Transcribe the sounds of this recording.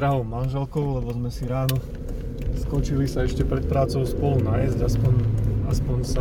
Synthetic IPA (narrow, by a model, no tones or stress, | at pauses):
ɾaɦɔʊmanʒɛlkɔʊlɛbɔzmɛsiɾaːnɔ | skɔt͡ʃilisaɛʃcɛpɾɛt̪̚pɾaːt͡sɔʊspɔlunajɛzɟaspɔɲaspɔɲsa